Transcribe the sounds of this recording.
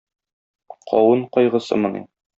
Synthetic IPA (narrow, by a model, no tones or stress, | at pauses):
qʰɒwɤɴqɒjʁɤ̆sɤ̰mɤ̆nḭ